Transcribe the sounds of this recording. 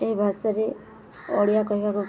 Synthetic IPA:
eɦibʱasɔɾe | ɔɽijakɔɦibaku

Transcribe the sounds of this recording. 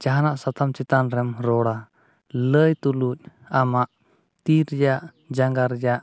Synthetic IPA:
t͡ʃaɦanaʔsat̪ʰamt͡ʃit̪anɾɛmɾɔɽa | ləjt̪uluc̚ˀ | amaʔ | t̪iɾjaʔ | d͡ʒaŋɡaɾjaʔ

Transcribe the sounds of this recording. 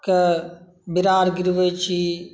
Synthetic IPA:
kɐ | bɪɾaːɾɡɪɾʋət͡ʃi

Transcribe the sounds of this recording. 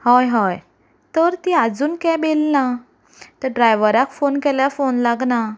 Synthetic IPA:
hɔjɦɔj | t̪əɾt̪iad͡zuːnkɛ̃belna | t̪əɖɾajʋəɾakfonkɛljafonlaɡna

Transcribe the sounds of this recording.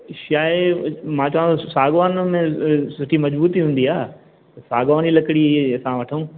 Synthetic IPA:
ʃaːɪmãːt͡ɕɐʋə̃nt̪asaːɡʋaːnmẽsʊʈʰimɐd͡ʑbuːt̪iɦũːnd̪iaː | ɐsaːɡʋaːnilɐkɪɽiɐsãʋɐʈʰəũː

